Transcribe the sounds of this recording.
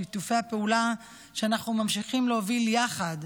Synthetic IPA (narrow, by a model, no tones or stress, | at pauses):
it̪ufe̞jhapeula | ʃeanaχnumamʃiχimleoviljaχad̪